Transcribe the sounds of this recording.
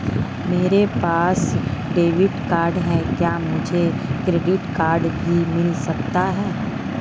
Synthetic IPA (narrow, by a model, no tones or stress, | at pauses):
meːɾepaːsɖeːʋɪʈkaːɾɖɦɛ̃kjaːmʊd͡ʒʱekɾeːɖɪʈkaːɾɖbʱimɪlsɐk̚t̪aɦɛː